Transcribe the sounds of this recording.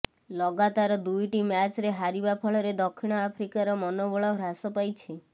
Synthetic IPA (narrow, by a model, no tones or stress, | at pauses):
lɔɡat̪aɾɔd̪ujʈimjat͡ʃɾeɦaɾibapʰɔɭɔɾed̪ɔkʰːiɽ̃ɔapʰɾikaɾɔmɔnobɔɭɔɾasɔpajt͡ʃʰi